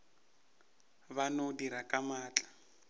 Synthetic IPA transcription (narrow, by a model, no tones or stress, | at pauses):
βanodiɾakʼamaːt͡ɬʼḁ